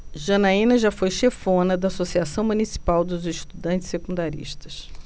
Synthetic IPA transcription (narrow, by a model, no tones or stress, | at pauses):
ʒɐnaĩnɐʒafojʃefõnɐd̪ɐːsosiasɐ̃w̃munisi̥pawd̪ʊziʃt̪ud̪ɐ̃nt͡ʃɪ̥sekũnd̪aɾḭʃt̪ɐs